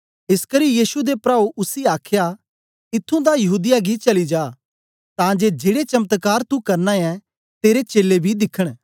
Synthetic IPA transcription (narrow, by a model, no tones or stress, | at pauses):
ɪskəɾijiːsud̪epɾaːuʔʊsiaːkʰja | ɪt̪ʰːũd̪ajɐɦuːd̪ɪjaɡit͡ʃɐlid͡ʒaː | t̪ãːd͡ʒed͡ʒeːɽet͡ʃɐmət̪kaːɾt̪ukɐɾnãɛ̃ | t̪eːɾet͡ʃeːlebʱid̪ɪkʰːəɽ̃